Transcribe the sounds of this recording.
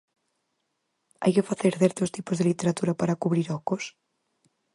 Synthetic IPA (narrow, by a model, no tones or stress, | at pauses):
a̰jkefaθeɾθeɾt̪ost̪ipozðelit̪eɾat̪uɾapaɾakuβɾiɾɔkos